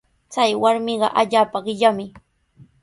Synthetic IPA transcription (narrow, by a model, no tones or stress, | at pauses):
t͡sajwaɾmɪɢɑ̰ʔaʎaːpaɢɪʎamɪ